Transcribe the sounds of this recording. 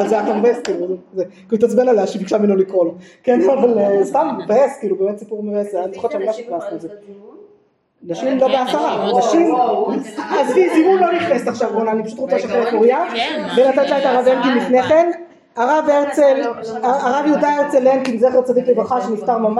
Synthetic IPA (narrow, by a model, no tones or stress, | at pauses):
azeafamevaeskiːluzekiuit̪at͡sbenaleaʃibikʃamenolikʁolkenavalest̪amvaeskiːlube̞ːmet̪sipuʁmevaesant͡siχaʃamnaʃitlast̪ːze | naʃimɡabeasaʁanaʃim | azvizimunloniχnesaχʃavbonanipaʃu̥t̪ʁot͡saʃeχelekuʁijavenat̪at̪laet̪aʁavenkimlifne̞χe̞n | aʁaveʁt͡selaaʁavjod̪aeʁt͡selenkinzeχet͡sad̪iklevʁaχaʁʃenift̪aʁmama